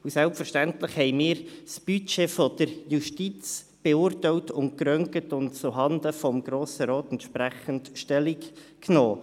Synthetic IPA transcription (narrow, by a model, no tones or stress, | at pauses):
usɛlpfəɾʃtæntlɪχhɛɪmiːɾsb̥yt͡ʃeːfɔd̥əɾjuʃtit͡s | b̥eʊːɾtɛɪwtʊnt̚kɾœŋkətʊntt͡sʊɦɑnd̪əfɔmɡ̥ɾoːsəɾɔːtɛntʃpɾæχəntʃtɛlikknoː